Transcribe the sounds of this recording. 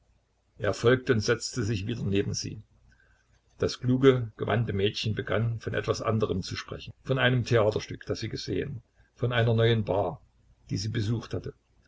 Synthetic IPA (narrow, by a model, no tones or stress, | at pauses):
ʔeːɐfɔlk̚təʊntz̥ɛt͡stəzɪçv̥iːdɐneːbm̩z̥ḭː | d̥askluːɡəɡ̥əva̰ntəmɛːtçənbəɡanfɔnʔɛ̰tv̥asʔa̰ndəʁəmt͡suʃpʁ̥ɛ̰çn̩fɔnʔaɪnəmtʰeaːtɐʃtʏkd̥asz̥iːɡəzḛːə̰n | fɔnʔaɪnɐnɔʏənbaː | d̥iːziːbəzuːxthatə